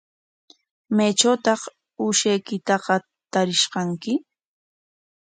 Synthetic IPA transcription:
majʈ͡ʂawt̪ɑχ | ʊʃajkɪt̪ɑqɑ | t̪aɾɪʃqɑŋkɪ

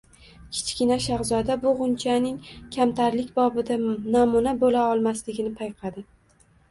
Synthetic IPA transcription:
kʲʰɪ̥t͡ʃkʲɪnaʃaʁzɒd̪abʊʁʊnt͡ʃʰanɪŋkʲʰamt̪ʰaɾlɪkʲbɒbɪd̪anamʊnabolaɒlˠmaslɪɡʲɪnɪpʰajqʰlɑd̪ɪ

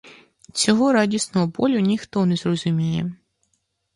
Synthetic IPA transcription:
t͡sʲɔɦɔɾɑdʲisnɔɦɔbɔlʲʊnʲixt̪ɔnɛzrɔzʊmʲijɛ̰

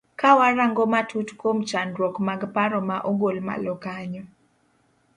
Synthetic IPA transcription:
kawaɾaŋɡɔmatʰutkomt͡ʃanɾwɔkmaɡpaɾɔmaʔoɡolma̰lɔkaɲɔ

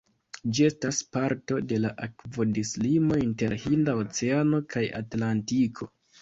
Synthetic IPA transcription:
d͡ʒie̞staspaɾto̞de̞laʔakvo̞dislimo̞inte̞̰ɾhindaot͡se̞ano̞kʰajʔa̰tlantikʰo̞

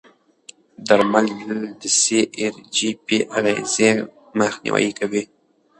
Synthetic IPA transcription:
d̪aɾmaljld̪əseʔeɾd͡ʒipiʔaɣḛze | məxnḭwa̰jikawi

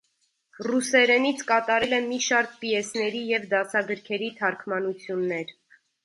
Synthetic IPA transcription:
rusɛɾɛnit͡sʰkɑt̪ɑɾɛlɛmiʃɑɾk̚piɛsnɛɾijɛvd̪ɑsɑɡəɾkʰɛɾit̪ʰɑɾkʰmɑnut͡sʰjunːɛɾ

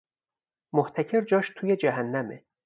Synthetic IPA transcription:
moht̪ʰæcʰe̞ɾd͡ʒɒːʃt̪ʰuːje̞d͡ʒæɦænːæme

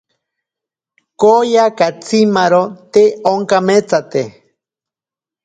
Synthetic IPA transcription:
kojakat͡simaɾot̪eoŋkamet͡sat̪e

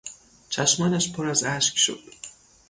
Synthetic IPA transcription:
t͡ʃʰæʃmɒːnæʃpʰoɾæzæʃcʃo̰d̪̥

